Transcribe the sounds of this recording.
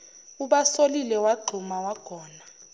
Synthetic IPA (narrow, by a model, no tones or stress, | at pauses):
uɓasolilɛwaɡ͡ǃʱumawaɡ̥ʱɔːna